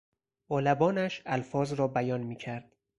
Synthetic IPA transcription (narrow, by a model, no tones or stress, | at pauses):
ɒːlæbɒːnæʃælfɒːzɾɒːbæjɒːnmiːcʰæɾd̪̥